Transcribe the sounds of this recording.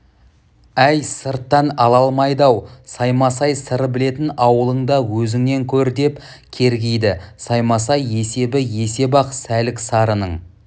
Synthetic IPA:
æjsəɾt̪ːɑnɑlˠɑlˠmɑjd̪ɑwsɑjmɑsɑjsəɾəbɪle̞t̪ɪnɑwəlˠəɴd̪ɑwɵzɪŋne̞ŋkʲʰɵɾd̪e̞pkʲʰe̞ɾɡʲejd̪ɪsɑjmɑsɑje̞se̞bɪje̞se̞bɑqsælɪksɑɾənəɴ

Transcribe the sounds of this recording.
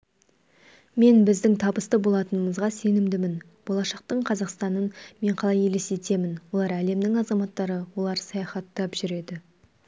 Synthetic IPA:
me̞nbɪzd̪ɪŋt̪ʰɑbəst̪əbo̞lˠɑt̪ənəməzʁɑse̞nɪmd̪ɪmɪn | b̥o̞lˠɑʃɑqt̪əɴqʰɑzɑqst̪ɑnənme̞ɴqʰɑlˠɑjelese̞t̪e̞mɪnwo̞lˠɑɾæle̞md̪ɪŋɑzɑmɑt̪ːɑɾəwo̞lˠɑɾsɑjɑχɑt̪ːɑpʒ̥ʏɾe̞d̪ɪ

